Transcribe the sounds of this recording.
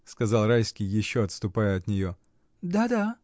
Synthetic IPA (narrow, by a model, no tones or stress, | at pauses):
skɐzɑlˠɾajskʲɪjːɪɕːoɐt̪st̪ʊpajəɐt̪nʲɪjo | d̪ad̪a